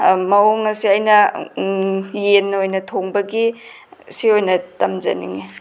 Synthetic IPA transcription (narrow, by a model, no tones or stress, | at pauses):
mɐoŋɐsiajnɐ | jenːojnɐtʰoŋbɐɡi | siojnɐtɐmd͡ʒɐ̰nḭŋi